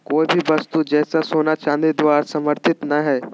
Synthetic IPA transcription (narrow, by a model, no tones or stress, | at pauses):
koːibʱibɐst̪ud͡ʒɛːsasoːnat͡ʃãːnd̪ed̪ʋaːɾsɐməɾt̪ʰɪt̪naɦɛː